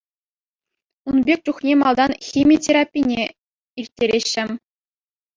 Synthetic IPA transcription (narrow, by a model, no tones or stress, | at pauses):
unbʲek̚ʲt͡ɕuχnʲemɑlˠd̪ɑnxʲimʲitʲeɾapʲːinʲe | irʲtʲːeɾʲeɕːɘ̆m